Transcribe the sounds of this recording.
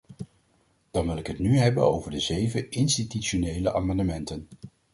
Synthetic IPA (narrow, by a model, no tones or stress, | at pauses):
d̥ɑnʋɪlɪkɦətnyɦɛbə̰no̰wvəɹdəzejvəɪnstityt͡ʃonejləʔaːmɑndəmɛntən